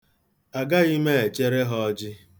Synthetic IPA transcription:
a˨ɡa˦i˦me˦e˨t͡ʃe˦ɾe˦ɦɔ˦ɔ˦d͡ʒɪ˦

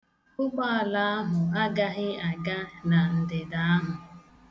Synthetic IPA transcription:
ʊ˦k͡pɔ˦a˨la˦a˦ɦʊ˨a˦ɡa˦ɣɪ˦a˨ɡa˦na˨n̩˨dɪ˨da˨a˦ɦʊ˨

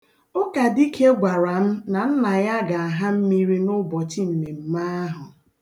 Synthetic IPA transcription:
ʊ˦ka˨di˦kʰe˦ɡʷa˨ɾa˨m̩˦na˨n̩˦na˨ja˦ɡa˨a˨ɦa˦m̩˦mi˦ɾi˦nʊ˦bɔ˨t͡ʃi˦m̩˨me˨m̩˨˦ma˦a˦ɦʊ˨

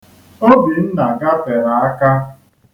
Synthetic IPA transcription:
o˦bi˨n̩˦na˨ɡa˦pe˨ɾa˨a˦ka˦

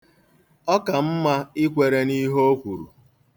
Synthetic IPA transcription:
ɔ˦ka˨m̩˦ma˦ɪ˦kʷe˨ɾe˦ni˦ɦo˦o˦kʷu˨ɾṵ˨

